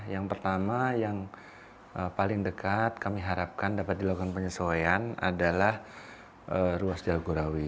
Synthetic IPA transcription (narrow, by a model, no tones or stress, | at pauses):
jaŋpərt̪amajaŋ | əpalɪŋdəkat̪̚kamiɦaɾap̚kandapat̪̚diloɡanpəɲəsoeana̰dalah | ʔəɾuasd͡ʒalɡoɾawi